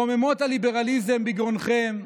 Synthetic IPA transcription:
omemo̞t̪alibe̞ʁalizembiɡʁonχem

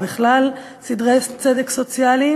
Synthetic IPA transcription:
beχlal | sidʁest͡sedekso̞t͡sjali

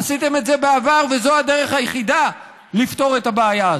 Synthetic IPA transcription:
sit̪e̞me̞tzebeavaʁvezo̞ade̞ʁe̞χhajeχid̪a | lift̪o̞ʁetabeːja

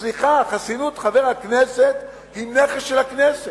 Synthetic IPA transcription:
liχaχasinut̪χaveʁakneset̪ | imneχesʃelaknese

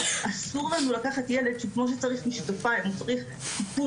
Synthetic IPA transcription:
ʔasuʁlanulakaχatjele̞dʃukmo̞ʃ̬et͡saʁiχmiʃet̪ofaemut͡saʁiχ | kipu

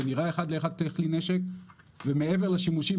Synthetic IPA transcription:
eniʁae̞χad̪leeχad̪̚t̪χlineʃek̚ | vemeeve̞ʁlaʃimuʃi

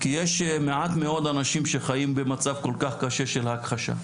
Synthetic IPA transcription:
kijeʃmeʕat̪meo̞d̪anaʃimʃeχajimbemat͡savko̞lkaχkaʃe̞ʃelhakχaʃa̰

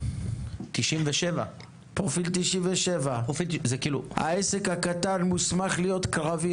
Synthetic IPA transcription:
t̪iʃimveʃeva | pʁofilt̪iʃimveʃe̞vaofizekiːlṵha̰esekhakatanmusmaχlijo̞t̪kʁavi

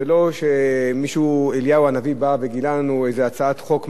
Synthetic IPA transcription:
elo̞ʃe̞miʃueljauanavibave̞ɡilalanuejzeat͡saat̪χo̞km

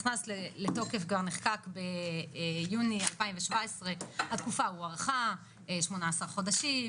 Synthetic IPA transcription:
χnasleleto̞ke̞fɡvaʁneχkakbe | junialpaimveʃvaesʁe̞hat̪kufauaʁχa | ʃmonaːsaʁχo̞daʃim

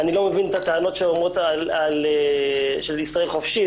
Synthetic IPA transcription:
anilo̞mevinet̪at̪eano̞t̪ʃeomʁot̪alaleʃeliselχo̞fʃi

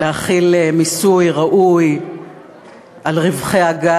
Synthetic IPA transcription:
eaχilmisujʁaʔuj | ʔalʁivχeaɡa

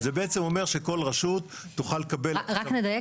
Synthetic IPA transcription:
zebeʔet͡se̞mo̞meʁʃeko̞lʁaʃutː | uχalekabeʁakned̪aje

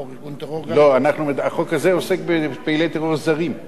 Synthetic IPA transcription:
lo̞anaχnumed̪aχo̞khaze̞ose̞k̚bepeilet̪eʁoʁzaʁim

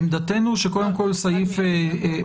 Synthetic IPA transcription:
md̪at̪enuʃeko̞de̞mko̞lsajife

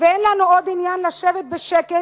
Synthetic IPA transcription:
veenlanuod̪injanlaʃevet̪̚beʃeke

